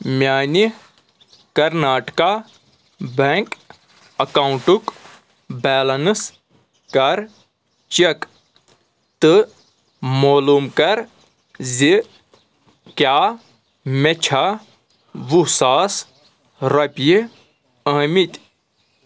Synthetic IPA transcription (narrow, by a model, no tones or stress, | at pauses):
mʲjaːni | kɐɾnaːʈka | beŋk | ɐkauɳʈuk | bɛːlɐnɨs | kɐɾ | t͡ʃɐk | t̪ɨ | moːluːmkɐɾ | zi | kjaː | met͡ʃʰa | ʋusaːs | ɾɐpji | ɐːmit̪ʲ